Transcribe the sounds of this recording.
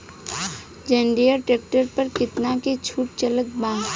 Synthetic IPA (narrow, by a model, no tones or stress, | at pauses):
d͡ʒẽɳɖijəɾʈeːk̚ʈəɾpɐɾkɪt̪naket͡ʃʰuːʈ̚t͡ʃələk̚bãː